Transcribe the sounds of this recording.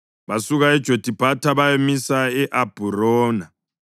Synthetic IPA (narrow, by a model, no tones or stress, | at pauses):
βasuɣaɛd̥ʒ̥ʱod̥ʱib̥ʱatʰaβajemisaɛʔab̥ʱurɔːna